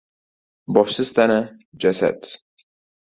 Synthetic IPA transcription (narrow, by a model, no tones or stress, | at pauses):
bɒʃsɪzt̪ʰanad͡ʒasa̰d̪